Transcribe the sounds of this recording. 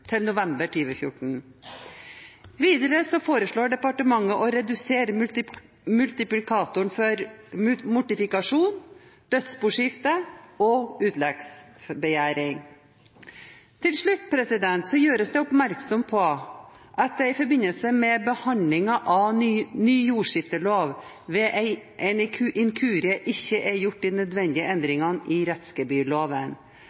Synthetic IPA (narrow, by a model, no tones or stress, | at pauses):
t̪ʰɪlnʊʋɛmbəʈʰyːʋəfjʊ̰ʈɳ̩ | ʋiːd̪əɾəsɔfoːɾəʂɭoːɖɛpɑʈəmɑŋːəʔɔɾɛd̪ʉseːɾəm | mʉlt̪ɪplɪkʰɑːt̪ʊɳfɔɾmʊʈɪfɪkɑʂuːnd̪̥œt̪sbuːʂɪft̪əɔʉːt̪lɛɡs | bəjæːɾɪŋ | t̪ʰɪlʂɭʉt̪ːpʰɾɛsɪd̪ɛnt̪sɔjøːɾəsd̪ɛʊpmæɾksɔmpʰɔ | ʔɑt̪̚d̪ɛɪfɔɾbɪnːəlsəmɛbəhɑnlɪŋɑʔɑnyːjuːʂɪft̪əloːʋ | ʋɛːʔɪʔɛnʰʔɪŋkʰʉːɾɪəʔɪçːəʔɛɾjʊʈ̚ːd̪inœd̪ʋɛnd̪ɪəʔɛnd̪ɾɪŋɑnɪɾɛt̪skəbyːloːʋən